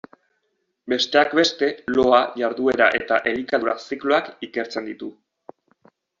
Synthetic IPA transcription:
be̞st̪e̞akbe̞st̪e̞lo̞aʝaɾðue̞ɾa̰ʔe̞t̪aʔe̞likaðuɾasikloakike̞ɾt͡se̞nd̪it̪u

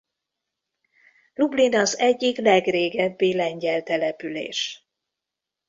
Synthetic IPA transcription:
lublinɒzɛɟːiklɛɡreːɡɛbːilɛɲɟɛlt̪ɛlɛpylḛːʃ

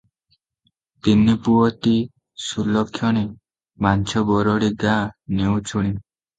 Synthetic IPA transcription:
t̪inːipuɔt̪i | sulɔkʰːjɔɽ̃e | mant͡ʃʰɔbɔɾɔɽiɡanewt͡ʃʰuɽ̃i

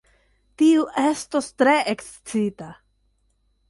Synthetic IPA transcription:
tiuʔe̞sto̞stɾe̞ʔeks | t͡sita

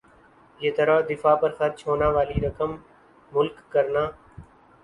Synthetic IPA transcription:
jeːt̪əɾaːd̪ɪfaːpəɾxəɾt͡ʃʰɦoːnãːʋaːliːɾəkəmː | ʊlkːəɾnaː

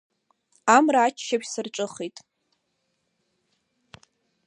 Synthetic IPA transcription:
amraːt͡ʃʰʃapsɨrʈ͡ʂʷʼɨχejtʼ

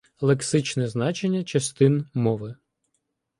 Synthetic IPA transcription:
lˠeksɪt͡ʃnɛznɑt͡ʃenʲːɐt͡ʃɐst̪ɪnmɔʋɪ

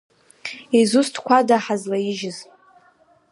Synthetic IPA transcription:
izustʰkʷʰadaħazlaiʒɪz

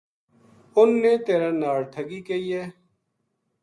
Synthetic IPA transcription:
ʊnːẽːt̪eːɾãːnaːɽt̪ʰəɡiːkeiːɛː

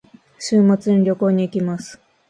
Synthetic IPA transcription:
ɕɨːmat͡sɨɲiɾʲo̞ko̞ːɲ̟iːkʲimasɨ̥

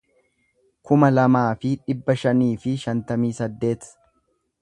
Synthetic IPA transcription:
kʊmɐlɐmaːfɪᶑɪbːɐʃɐniːfɪʃɐnt̪ɐmiːsɐd̪ːe̞ːt̪

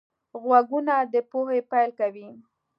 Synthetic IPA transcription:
ɣwaɡunad̪əpohepajlkawi

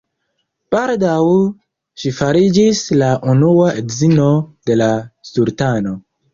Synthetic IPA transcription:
b̥aldaw | ʃifaɾid͡ʒislaʔunuaʔedzino̞d̥e̞lastuɾtano̞

